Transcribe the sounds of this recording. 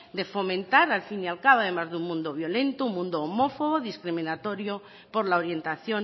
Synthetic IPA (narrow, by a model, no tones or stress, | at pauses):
d̪e̞fo̞mẽnt̪aɾalfinjalkaβað̞e̞mazðummũnd̪oβ̞jo̞le̞nt̪oummũnd̪oːmo̞foɣoðiskɾimĩnat̪o̞ɾjo | po̞ɾlaoɾje̞nt̪aθjo